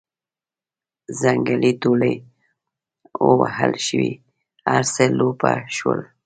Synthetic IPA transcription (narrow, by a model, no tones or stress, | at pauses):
zaŋɡalit̪oləj | owahalʃəwi | aɾselopaʃwəl